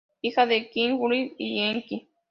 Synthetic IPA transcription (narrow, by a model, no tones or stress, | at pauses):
ixaðekiŋɡuɾiijeŋki